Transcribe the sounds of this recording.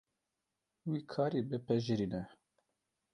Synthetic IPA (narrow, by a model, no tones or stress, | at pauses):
wiːkʰaːɾiːbɨpʰɛʒɨɾiːnɛ